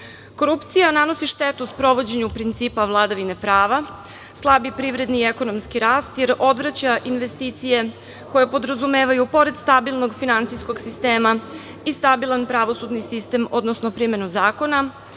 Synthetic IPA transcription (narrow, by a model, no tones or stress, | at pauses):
ko̞ɾupt̪sijanano̞siʃt̪e̞t̪uspɾo̞ʋo̞d͡ʑe̞ɲupɾint̪siːpaʋlˠad̪aʋine̞pɾaːʋa | slˠabipɾiʋɾe̞d̪niːeko̞no̞mskiɾaːst̪je̞ɾo̞d̪ʋɾat͡ɕaʔinʋe̞st̪iːt̪sije̞ | ko̞jepo̞d̪ɾazume̞ːʋajupo̞ɾe̞d̪st̪abilˠno̞ɡfinant̪sijsko̞ɡsist̪e̞ːma | ist̪abilˠanpɾaʋo̞sud̪nisist̪e̞mo̞d̪nosno̞pɾime̞nuzaːko̞na